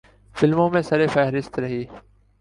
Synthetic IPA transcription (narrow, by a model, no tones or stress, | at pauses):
fɪlmõːmẽːsəɾeːfɛɦɾɪst̪ɾəɦiː